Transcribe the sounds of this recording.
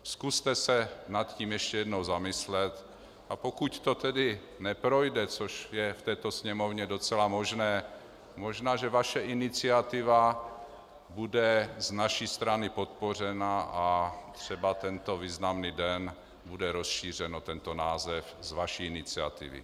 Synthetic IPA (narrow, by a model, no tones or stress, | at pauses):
skust̪ɛsɛnat̪ciːmjɛʃcɛjɛdnowzamɪslɛt̪ | ʔapokuct̪ot̪ɛdɪ | nɛpɾo̞jdɛt͡soʃjɛft̪ɛːt̪o̞sɲɛmovɲɛdo̞t͡sɛlamo̞ʒnɛː | moʒnaːʒɛvaʃɛʔɪnɪt͡sɪat̪ɪva | budɛznaʃiːst̪ɾanɪpo̞t̪̚po̞r̝ɛnaʔat̪r̥ɛbat̪ɛnt̪oviːznamniːdɛn | budɛɾo̞sʃiːr̝ɛnot̪ɛnt̪onaːzɛfzvaʃiɪnɪt͡sia̰t̪ɪ̰vɪ̰